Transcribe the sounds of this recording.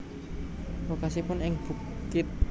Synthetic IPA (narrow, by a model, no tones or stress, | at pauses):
wokasipʊnɪŋb̥ṳ | kɪt̪̚